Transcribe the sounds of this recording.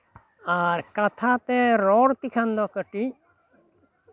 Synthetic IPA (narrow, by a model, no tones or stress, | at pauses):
aɾkat̪ʰat̪ɛɾɔɽt̪ikʰand̪ɔkəʈi